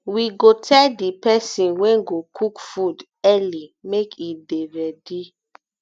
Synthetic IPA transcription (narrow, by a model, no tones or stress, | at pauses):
wiɡotʰɛdipɛsĩnwɛ̃ɡokʰukfud | ɛlimekʰideɾɛdi